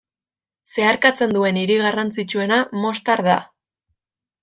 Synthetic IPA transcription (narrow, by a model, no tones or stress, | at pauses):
se̞aɾkat͡se̞nd̪ue̞niɾiɣarant͡sit͡ʃue̞namo̞st̪aɾða̰